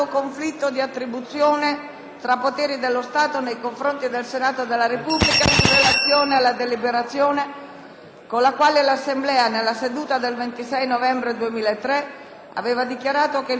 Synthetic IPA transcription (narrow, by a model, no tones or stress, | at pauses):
okoɱflit̪ːod̪iat̪ːɾibut̪sːjoːne | t̪ɾapːot̪eːɾid̪elːost̪aːt̪onejkoɱfɾont̪id̪elsenaːt̪od̪elːaɾepublikairelat̪sːjoːnealːad̪elibeɾat̪sːjoːne | konlːakwaːlelasːemblɛːanelːased̪uːt̪ad̪elvent̪isɛjnovɛmbɾed̪uemiːlaet̪ːɾe | a̰veːvad̪ikjaɾaːt̪oke